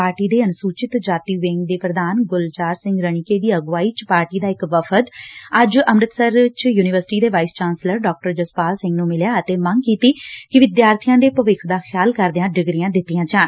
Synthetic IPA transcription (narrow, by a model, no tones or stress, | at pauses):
aːɾʈiːd̪eːənsuːt͡ʃɪt̪d͡ʒaːt̪iːʋẽːŋɡd̪eːpɾəd̪aːnɡʊlt͡ʃaːɾsɪ̃ŋɡɾəɳɪkeːd̪iːəɡʋaːiːt͡ʃpaːɾʈiːd̪aːɪkʋəpʰət̪əd͡ʒəmɾɪt̪səɾt͡ʃjuːnɪʋəɾsɪ̥ʈiːd̪eːʋaːɪst͡ʃaːnsləɾɖaːk̚ʈəɾd͡ʒəspaːlsɪ̃ŋɡnũːmɪljaːət̪eːməŋɡkiːt̪iːkɪʋɪd̪jaːɾt̪ʰijãːd̪eːpəʋɪkʰd̪aːxʰjaːlkəɾd̪eãːɖɪɡɾɪjãːd̪ɪt̪ːijãːd͡ʒaːn